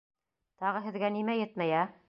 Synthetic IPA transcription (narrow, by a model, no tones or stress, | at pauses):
t̪ɑʁɤɦɘ̆ðɡænimæjɘt̪mæjæ